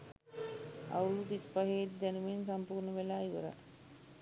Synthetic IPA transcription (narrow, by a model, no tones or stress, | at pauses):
a̰ulud̪ispaɦeːt̪d̪ænuʋensampuːrnəʋelaːiʋə̰ɾa̰